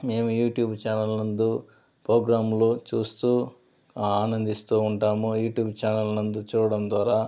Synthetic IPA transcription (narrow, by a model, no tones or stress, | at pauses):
me̞ːmujuːʈjuːbt͡ʃaːnɐlnɐnd̪u | pɾoːɡɾaːmlot͡ʃuːst̪uː | aːnɐnd̪ist̪uːuɳʈaːmujuːʈjuːbt͡ʃaːnɐlnɐnd̪ut͡ʃuːɾɐɽɐmd̪ʋaːɾaː